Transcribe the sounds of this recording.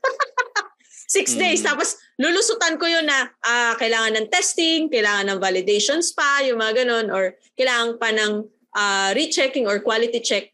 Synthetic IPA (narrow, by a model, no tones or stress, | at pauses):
sɪksd̪ejst̪aːpos | lʊlʊsʊt̪ɐnkojonːɐʔakɐʔɪlaːŋɐnːɐŋt̪ɛst̪ɪŋkɐjlaːŋɐnːɐŋvalɪd̪ejʃonspɐjʊŋmɐŋɐɡɐno̞nʔoɹ | kɐjlaːŋɐŋpɐnɐŋ | ʔaːɾit͡ʃɛkɪŋoɹkwaːlɪt̪it͡ʃɛk̚